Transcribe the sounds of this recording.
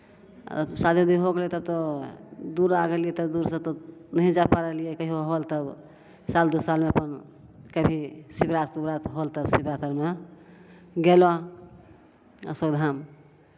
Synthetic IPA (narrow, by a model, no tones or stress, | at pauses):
sad̪ʱid̪uɦoɡelet̪ɔbt̪ɔ | d̪uɾaɡeliɛt̪ɔd̪uɾsə̃t̪ɔnəɦĩd͡ʒapaɾəlijɛkəɦioɦolt̪əb | sald̪usalmeəpən | kəbʱisibɾat̪ubɾat̪ɦolt̪əbsibɾat̪əɾme | ɡelɔ | swəɡd̪ʱam